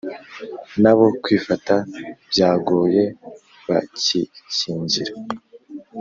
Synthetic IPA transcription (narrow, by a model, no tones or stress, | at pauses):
naβo̞kwiːfatab̥jaːɡoːje̞ | βaciciːɲɟiɾa